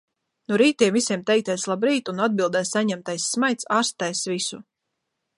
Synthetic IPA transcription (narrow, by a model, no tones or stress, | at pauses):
nuɾiːt̪iɛmvisʲiɛmt̪ɛjk̚t̪ɛjslˠabɾiːt̪unad̪̚bilˠd̪ɛjsaɲɛmt̪ajsːmajt̪saːɾst̪ajsvisu